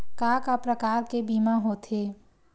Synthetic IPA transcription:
kaːkapɾəkaːɾkebiːmaɦot̪ʰeː

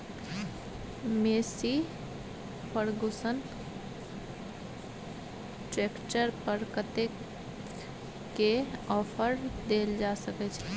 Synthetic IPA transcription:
meːsi | pəɾɡʊsənt̪ | ʈɾeːkt͡ʃəɾpəɾkət̪e | keɔːpʰəɾd̪eːld͡ʒasəkɛt͡ʃʰɛ

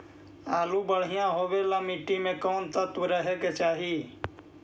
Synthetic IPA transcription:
aːluːbəɽ̤ɪjãːɦoːʋeːlaːmiːʈːiːmẽːkoːnt̪at̪uɾəɦekt͡ʃaːɦiː

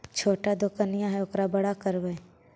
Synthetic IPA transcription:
t͡ʃʰoːʈad̪okənɪjãɦɛokɾabɐɽakəɾʋəe

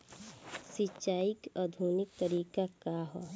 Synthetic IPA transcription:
sɪt͡ʃaːɪkɔd̪ʱuːnɪk̚t̪əɾiːkakaɦɔ

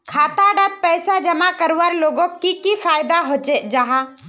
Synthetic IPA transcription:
kʰaːt̪aɖat̪̚pɛːsad͡ʒəmakəɾwaɾloːɡõkːikifʰaːjd̪aɦot͡ʃed͡ʒaɦa

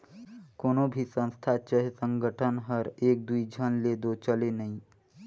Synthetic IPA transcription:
koːnobʱisə̃nst̪ʰat͡ʃəɦsə̃ŋɡʱəʈʰənɦəɾeːk̚d̪uid͡ʒʱənleːd̪ot͡ʃəlenəĩ

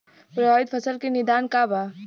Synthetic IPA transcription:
pɾɔːɪd̪fʰɐsəlkenɪd̪aːnkaːbaː

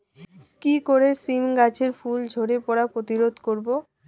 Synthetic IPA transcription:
kikoɾesimɡat͡ɕʰeɾfuld͡ʑʱoɾepɔɾapɾot̪iɾod̪ʱkoɾbo

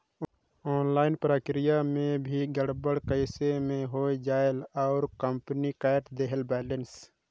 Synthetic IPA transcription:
ɔːnlaːɪnpɾaːkɾɪjamẽbʱiɡəɽbəɽkəɪsemẽɦoːed͡ʒaːelɔʊɾkəmpnikaːʈd̪eɦəlbɛːləns

